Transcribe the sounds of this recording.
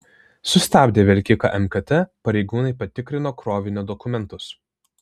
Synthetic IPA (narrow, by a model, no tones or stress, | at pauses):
sʊsʲt̪ʲæːbʲd̪ʲeːʋʲɛlʲkʲɪkɐ̰ʔɛmkɐt̪ʲɛpɐɾʲɛɪɡuːnɐɪpɐt̪ʲɪkɾʲɪnoːkɾoːʋʲɪnʲʊd̪ɔkʊmʲɛnt̪ʊs